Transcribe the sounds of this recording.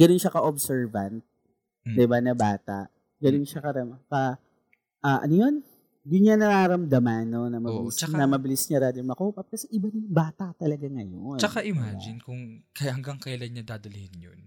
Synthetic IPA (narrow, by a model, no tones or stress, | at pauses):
ɡ̥ɐnonʃakɐʔobsɛɹvɐnt̪̚ | d̪ɪbanɐbaːt̪a̰ʔ | ɡɐnonʃakɐɾɐmkɐ | ʔaːʔɐ̰nojo̞n | jʊnɲanɐɾaːɾɐmd̪ɐmanːonɐmɐbɪlɪst͡ʃɐnɐmɐbɪlɪsɲaɾaːd̪ʊŋmɐkuːpɐp̚kɐsɛʔɪbanjŋbaːt̪at̪ɐlɐɡaŋɐjont͡ʃɐkaʔɪmad͡ʒɪnkʊŋkɐhɐŋɡaŋkɐjɐlanɲɐd̪aːd̪ɐlɪhɪnjon